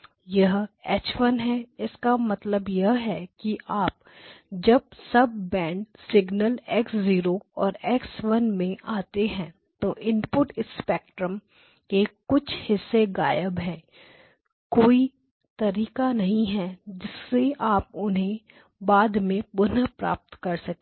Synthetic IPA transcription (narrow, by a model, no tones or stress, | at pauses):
jɐɦɛːt͡ʃʋənɦɛɪskamɐt̪ləbjɐɦɦɛkiʔaːp̚ | d͡ʒɐb̚sɐb̚ːɛ̃ːɳɖsɪɡnəlɛːksziːɾoɔːɾɛːkswɐnmẽʔaːt̪eɦɛ̃ː | t̪oʔɪ̃npʊʈɪspɛːk̚ʈɾəm | kekʊt͡ʃʰhɪsːeɡaːjəbɦɛ̃ː | koːi | t̪ɐɾiːkanɐɦĩɦɛd͡ʒɪsːeʔaːp̚ʊnɦẽ | baːd̪mẽbʊnapɾa̰ːp̚t̪kɐɾsɐk̪̚ː